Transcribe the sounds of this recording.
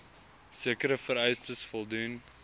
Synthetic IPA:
siəkəɾəfəɾɛjstəsfɔlˠdun

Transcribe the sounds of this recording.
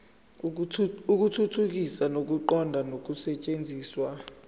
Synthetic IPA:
uk̬utʰutʰuk̬isanok̬uǃɔndʱanok̬usɛt͡ʃʼend͡zʱiːswa

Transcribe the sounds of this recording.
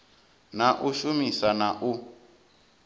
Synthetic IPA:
naʔuʃumisanaʔu

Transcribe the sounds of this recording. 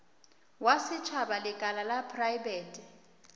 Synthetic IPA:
wasɪt͡ʃʰabalɪkʼalalapʰrajbeːtʼi

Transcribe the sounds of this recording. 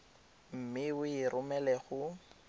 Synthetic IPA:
m̩mɪʊɪrʔʊmɛlɛχʊ

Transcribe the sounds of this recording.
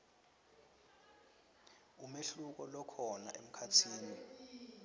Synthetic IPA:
umeɬuk̬ɔlɔkʰɔna̰ʔem̩kʰatʰiːni

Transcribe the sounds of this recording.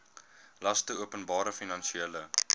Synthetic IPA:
lɐstəuəpənbɑːɾəfinɐnʃielə

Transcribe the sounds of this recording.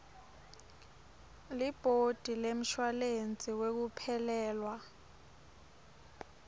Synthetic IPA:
lib̥ʱod̥ʱilem̩ʃwalent͡sʼiwek̬upʰɛlɛːlwa

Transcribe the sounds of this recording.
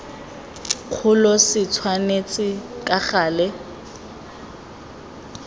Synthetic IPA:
q͡χʰʊlɔsɪt͡sʰwanet͡sʼɪkʼaχaːlɛ

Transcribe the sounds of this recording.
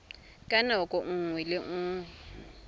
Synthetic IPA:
kʼanaʊkʼɔŋ̩ŋwɛlɪŋ̩ːŋwɛ

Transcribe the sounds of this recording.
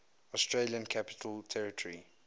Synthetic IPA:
ɔstɹeljə̃nkʰapɪ̥tʰəltʰɛɹɪtʰɔɹi

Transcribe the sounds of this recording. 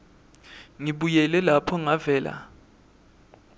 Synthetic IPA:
ŋiɓujɛlɛlapʰɔŋavɛːla̰

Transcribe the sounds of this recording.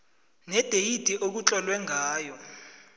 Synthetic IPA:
nɛd̥ʱejid̥ʱiʔok̬ut͡ɬʼɔlwɛŋʱaːjɔ

